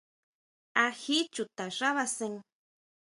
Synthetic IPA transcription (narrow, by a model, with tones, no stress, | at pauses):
ahi˦t͡ʃu˨t̪a˨ʐa˦βa˧se˧ŋ